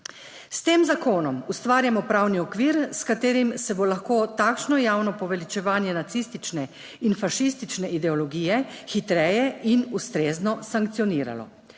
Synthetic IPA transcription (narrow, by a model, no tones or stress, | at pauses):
st̪eːmzakoːnɔmust̪ʋaːɾjamɔpɾawniɔkʋiːɾskat̪eːɾimsɛbolaxkoːt̪akʃnɔjaːwnɔpɔʋɛlit͡ʃɛʋaːnjɛnat̪sist̪it͡ʃnɛ | infaʃist̪it͡ʃnɛʔid̪ɛɔlɔɡiːjɛxit̪ɾɛːjɛʔinust̪ɾeːznɔsaŋk̚t̪sijɔniːɾa̰lɔ̰